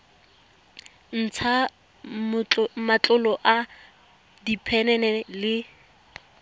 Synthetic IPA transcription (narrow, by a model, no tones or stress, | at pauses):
n̩t͡sʰa | mat͡ɬʼʊlɔʔa | dipʰɛnɛnɛlɪ